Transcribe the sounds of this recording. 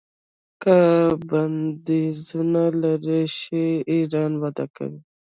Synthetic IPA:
kaband̪ezunalaɾeʃeiɾɑnwad̪a̰ka̰wi

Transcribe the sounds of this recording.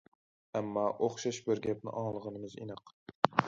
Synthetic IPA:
amːɒʔoχʃaʃbɪɾɡʲap̚nɪ̰ʔɒɴlˠɨʁɨnɪmɪzɪ̰nɨq

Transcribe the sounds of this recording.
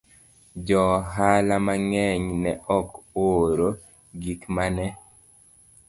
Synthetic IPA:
d͡ʒɔɦalamaŋɛɲnɛʔɔkoːɾo | ɡikmanɛ

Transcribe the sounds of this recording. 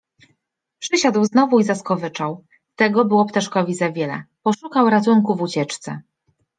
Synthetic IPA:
pʂɘɕad̪wznɔvuizaskɔvɘt͡ʂaw | t̪ɛɡɔbɘwɔpt̪aʂkɔvʲizavʲjɛlɛ̰pɔʂukawɾat̪̬uŋkuvut͡ɕɛt͡ʂt̪sɛ̰

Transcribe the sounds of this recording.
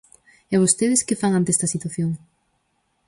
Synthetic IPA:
eβ̞ost̪eðeskefaŋant̪est̪ɐsit̪waθjoŋ

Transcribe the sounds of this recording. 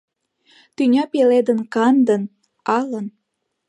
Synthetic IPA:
t̪ynʲɑpeled̪ənkɑnd̪ən | ɑlən

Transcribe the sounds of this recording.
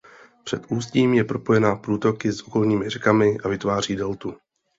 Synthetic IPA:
pr̝̥ɛt̪ʔuːsciːmjɛpɾo̞po̞jɛnaːpɾuːt̪o̞kɪsʔo̞ko̞lɲiːmɪrɛkamɪʔavɪt̪vaːriːdɛlt̪u

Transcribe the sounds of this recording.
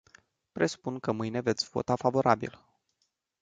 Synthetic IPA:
pɾe̞su̥punkəmɨjne̞ve̞t̪sʲv̥o̞̰t̪afavo̞ɾabḭl

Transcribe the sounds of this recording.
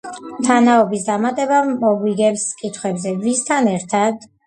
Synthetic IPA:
mt̪ʰanaɔbisd̪amat̪ʼɛbamɔɡwiɡɛpskʼit̪ʰχwɛbzɛvist̪ʰanɛɾt̪ʰad̪̥

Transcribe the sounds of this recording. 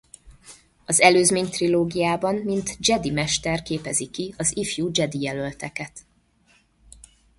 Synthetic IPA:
ɒzɛløːzmeːɲt̪riloːɡijaːbɒmmint̪d͡ʒɛd̪imɛʃt̪ɛrkeːpɛzikiɒzifjud͡ʒɛd̪ijɛlø̞lt̪ɛkɛt̪

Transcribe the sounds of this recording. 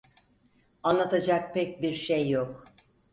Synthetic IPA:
anlˠat̪ʰad͡ʒak̚pʰɛc̚biɾʃejːok

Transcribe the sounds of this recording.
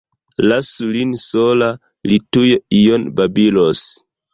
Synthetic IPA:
lasulinsola | litujijonbabilos

